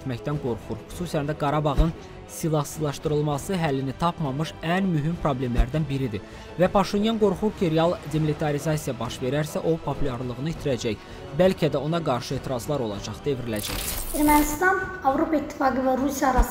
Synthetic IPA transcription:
t̪mæçd̪ænɡo̞ɾχuɾxy̥susænd̪æɡɑɾɑbɑʁɯn | silˠɑhsɯzlˠɑʃt̪ɯɾɯlˠmɑsɯɦælːinit̪ʰɑpmɑmɯʃænmyɦympɾo̞blʲe̞mlæɾd̪ænbiɾid̪i | væpʰɑʃinjɑnɡo̞ɾχuɾcʰiɾeɑlˠd̪emilʲit̪ʰɑɾizɑsijɑbɑʃve̞ɾæɾsæʔo̞pʰopʰulʲˠɑɾlˠɯʁɯnɯit̪ʰiɾæd͡ʒæç | bælcʰæd̪æo̞nɑɡɑɾʃɯe̞ːt̪iɾɑzlˠɑɾo̞lˠɑ̰d͡ʒɑχd̪̥e̞vɾilæd͡ʒæ̰çeɾmænist̪ɑnɑvɾo̞pɑit̪ʰːi̥fɑɡɯvæɾusijɑɾɑs

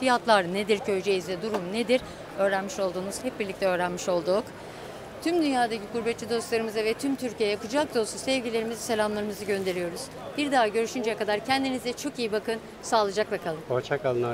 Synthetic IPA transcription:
fijat̪lˠaɾned̪iɾcʰøjd͡ʒejizd̪ɛd̪uɾumned̪iɾ | ø̞ːɾænmiʃo̞lˠd̪uːnuz̥hɛp̚biɾlʲic̚t̪ɛø̞ːɾænmiʃo̞lˠd̪uk | t̪ʰymd̪ynjaːd̪acikuɾbɛt̪t͡ʃid̪o̞slˠaɾɯmɯzavɛt̪ʰymt̪ʰyɾcʰijɛjapɯd͡ʒak̚d̪o̞susɛvɟilʲe̞ɾimizselʲamlˠaɾɯmɯzɯɟø̞nd̪e̞ɾijo̞ɾuz̥ | b̥iɾd̪aːɟø̞ɾyʃynd͡ʒɛkad̪aɾcʰɛnd̪inizɛt͡ʃʰo̞kijibakʰɯn | saːlˠɯd͡ʒaklˠakʰalˠɯmot͡ʃʰakalˠɯna

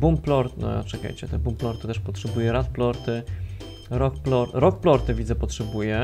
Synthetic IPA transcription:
bumplɔɾtt͡ʂɛka̰jt͡ɕɛt̪ɛbumplɔɾt̪ɘt̪ɛʂpɔtʂɛbujɛɾat̪̚plɔɾt̪ɘ | ɾɔk̚plɔɾɾɔk̚plɔɾt̪ɘvʲid̪zɛpɔtʂɛbujɛ

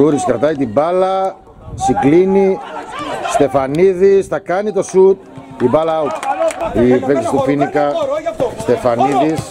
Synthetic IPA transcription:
uɾiskɾɐt̪ɐjt̪ibɐlɐ | siɡlini | st̪e̞fɐniðist̪ɐkɐnit̪o̞sut̪̚t̪ibɐlɐut̪iveksi̥st̪opinikɐst̪efɐniðis

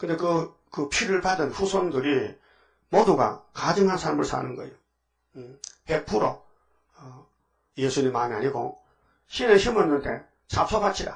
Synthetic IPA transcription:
kɯnde̞kɯ | kɯpʰiɾɯɭpadɯnɸusʰondɯɾi | moduɡa̰kad͡ʑɯŋɦansʰaɾɭmɯɭsa̰nɯnɡʌḛjo | hepʰuɾo̰ | jesʰuɲimːamia̰ɲiɡo̰ | ɕʰinɯnɕʰimɯɾnɯntʰḛ | sʰap̚sʰopat͡ɕʰida̰

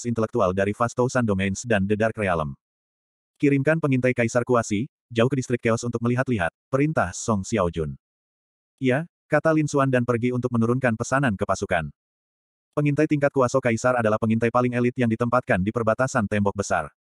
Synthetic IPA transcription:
sint̪əlɛk̚t̪ualdaɾifast̪osandomɛnsdandədarkɾealəm | kiɾimkanpəŋint̪ajkaisarkuasi | d͡ʒauhkədist̪ɾɪkːeɔsunt̪ʊk̚məliɦat̪liɦa̰t̪̚pəɾint̪ahsɔŋsiawd͡ʒun | ija | kat̪alinsuandanpərɡiunt̪ʊk̚mənuɾunkanpəsanankəpasuka̰n | pəŋint̪ajt̪iŋkat̪̚kuasokaisaradalahpəŋint̪ajpalɪŋɛlit̪̚jaŋdit̪əmpat̪̚kandipərbat̪asant̪ɛmbɔk̚bəsa̰r

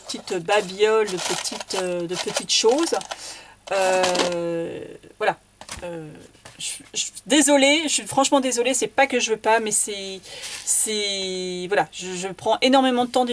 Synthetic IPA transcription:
ət̪it̪babjɔld̪əpət̪ʰit̪ød̪əpət̪it̪ʃoz | ø | vwala | øʒəʒd̪ezɔleʒəsɥifχɑ̃ʃmɑ̃d̪ezɔlesɛpakəʒəvøpamɛsɛ | sɛvwalaʒəʒəpχɑ̃ʔenɔʁmemɑ̃d̪ət̪ɑ̃d̪

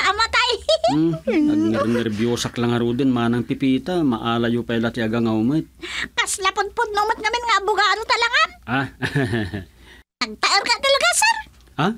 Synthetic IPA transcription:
ʔɐmɐt̪aj | ɐnɛɾnɛɾbjoːsɐklaŋɐɾuːd̪ɪnmaːnɐŋpɪpiːt̪amɐʔaːlajupɛlat̪ɪɐɡaŋaʊmɪt̪̚kɐslɐpʊd̪̚pʊd̪̚mɐmɪt̪̚ŋɐmɪnŋaːbʊɡaːd̪ot̪ɐlaŋanʔa | nɐɡ̚t̪ɐʔoɾkɐt̪ɐlɐɡasɛɾ | ʔa

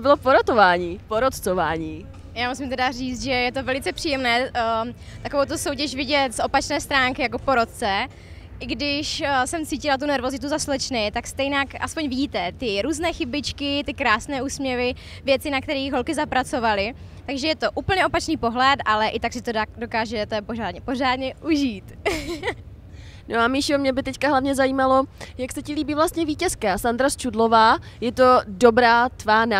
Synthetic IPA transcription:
bɪlopoɾot̪ovaːɲiːpoɾot̪t͡sovaːɲiː | jaːmusɪmt̪̬ɛdariːt͡st̪ʒɛjɛt̪o̞vɛlɪt͡sɛpr̥iːjɛmnɛː | t̪ako̞vowt̪usowc̬ɛʃvɪɟɛt̪sʔo̞pat͡ʃnɛːst̪ɾaːŋkɪjakopo̞ɾot̪̚t͡sɛ | ʔɪɡdɪʃsɛmt͡siːcɪlat̪̬unɛɾvo̞zɪt̪uzaslɛt͡ʃnɛjt̪akst̪ɛjnakʔa̰spo̞ɲvɪɟiːt̪ɛt̪ɪɾuːznɛːxɪbɪt͡ʃkɪt̪ɪkɾaːsnɛːʔuːsmɲɛvɪ | vjɛt͡sɪnak̚t̪ɛɾiːɣɦo̞lkɪzapɾat͡so̞valɪ | t̪aɡʒɛjɛt̪o̞ʔuːpl̩ɲɛo̞pat͡ʃniːpo̞ɦlɛt̪ʔalɛʔɪt̪aksɪt̪odo̞kaːʒɛt̪opoʒaːdɲɛpo̞ʒaːdɲɛʔuʒiːt̪ | noamiʃomɲɛbɪt̪ɛckaɦlavɲɛzaiːmalojaksɛcɪliːbiːvlast̪ɲɛviːcɛskasand̪ɾast͡ʃudlovaːjɛt̪o̞dobɾaːt̪vaːna

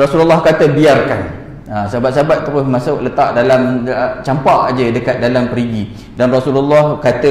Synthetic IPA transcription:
rɔsululːɔhkat̪əbiarkan | asabat̪̚sabat̪ːəɾʊsmasawʔlət̪aʔdalamt͡ʃampaʔd͡ʒədəkat̪̚dalampəɾiɡi | danrasululːɔhkat̪ə

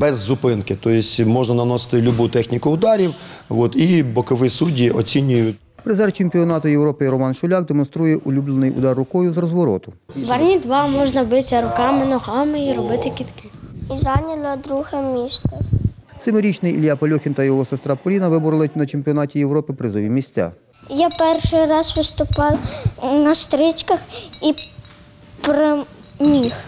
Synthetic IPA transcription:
bɛzːʊpɪnkɪt̪ɔjɪsʲmɔʒnɐnɐnɔsɪ̥t̪ɪlʲʊbut̪ɛxnʲikʊʊd̪ɑɾʲiwʋɔt̪ibɔkɔʋɪsudʲiɔt͡sʲinʲʊjʊ | pɾɪzɛrt͡ʃemʲpʲiɔnɑt̪ʊjewɾɔpɪiɾɔmɑnʃʊlʲɑɡ̚d̪emɔnst̪ɾujɛʔʊlʲublˠenɪjʊ̰d̪ɑrːʊkɔjʊzrɔzʋɔɾɔ̰t̪ʊʋɐrnʲid̪ʋɑmɔʒnɐbɪsʲɐɾʊkɑmɪnɔɦɑmɪiɾɔbɪt̪ɪkʲit̪kʲiiʒɑnʲɐlʲɐd̪ɾuɣɐmʲiʃt̪ɐ | t̪sɪmɪɾʲit͡ʃnɪjilʲjapɐlʲɔxʲint̪ɐjɔɦɔsest̪ɾapɔlʲinɐʋɪbʊɾɪlˠɪtʲnɐt͡ʃemʲpʲiɔnɑtʲijewɾɔpɪpɾɪzɔʋʲimʲisʲt͡sʲa̰ | japɛrʃɪjɾɑsʋɪst̪ʊpɑwnɐst̪ɾɪt͡ʃkɐxi | pɾɔ | mʲix

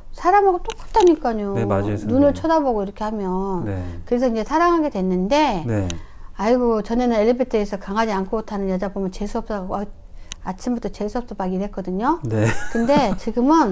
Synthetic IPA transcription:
sʰaɾamaɡot͈ok͈ḁt͈ʰaɲik͈aɲoanunɯɭt͡ɕʰʌdaboɡoiɾʌkʰe̞hamjʌnkɯɾe̞sʰʌiɲd͡ʑe̞sʰaɾaŋɦaɡe̞dwe̞nːɯnde̞neaiɡot͡ɕʌne̞nɯne̞lːebetʰʌesʰʌkaŋɦad͡ʑiankʰoɡotʰanɯnjʌd͡ʑabomjʌnt͡ɕe̞sʰuʌp̚s͈aɡʌ | at͡ɕʰimbut͈ʰʌt͡ɕesʰuʌp̚t͈op͈aɡidwe̞k͈ʌdɯɲonekɯnde̞t͡ɕiɡɯmɯn

